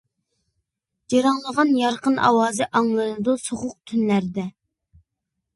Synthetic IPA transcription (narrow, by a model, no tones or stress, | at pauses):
d͡ʒɑɾɑŋlˠəʁɑnjɑɾqənʔɑ̰wɑːzɨʔɑŋlˠɨnɨd̪usoʁʊq̚t̪ʰynlæɾd̪ɛ